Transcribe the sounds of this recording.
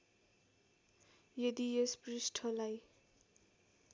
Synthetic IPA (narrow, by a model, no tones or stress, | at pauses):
jʌd̪ijesprisʈʰʌlaj